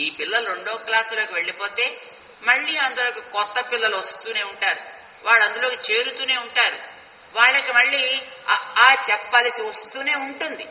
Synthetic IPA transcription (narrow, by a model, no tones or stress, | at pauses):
iːpilːɐlɐɾo̞ɳɖoːklaːslo̞ːkiʋe̞ɭːipo̞ːt̪e̞ː | mɐɭːiːɐnd̪ulo̞ːkikɔt̪ːɐpilːɐluʋɐst̪uːne̞ːuɳʈaːɾu | ʋaːɽɐnd̪ulo̞ːkit͡ʃe̞ːɾut̪uːne̞ːuɳʈaːɾu | ʋaːɭːɐkimɐɭːiː | aːt͡ʃɛpːaːlɐsiʋɐst̪uːne̞ːuɳʈund̪i